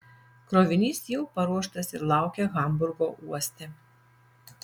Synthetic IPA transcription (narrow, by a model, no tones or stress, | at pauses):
kɾoːʋʲɪnʲiːsjɛʊpɐɾuɔʃt̪ɐsɪɾlˠɑˑʊkʲɛɣɐˑmbʊɾɡoːʔuɔsʲt̪ʲɛ